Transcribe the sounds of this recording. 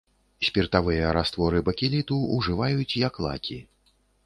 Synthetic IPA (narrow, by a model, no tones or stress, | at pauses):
sʲpʲirt̪avɨjɐɾast̪vɔɾɨbɐkʲilʲit̪uuʐɨvajut͡sʲjɐklˠa̰kʲʰi